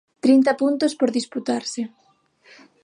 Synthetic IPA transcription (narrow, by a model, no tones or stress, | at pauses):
t̪ɾint̪ɐpunt̪ospoɾðisput̪aɾsɪ